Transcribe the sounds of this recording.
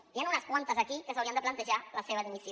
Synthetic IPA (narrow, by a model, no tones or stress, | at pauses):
ianunəskwant̪əzakikəsawɾiənd̪əplant̪əʒaləseβaðimisj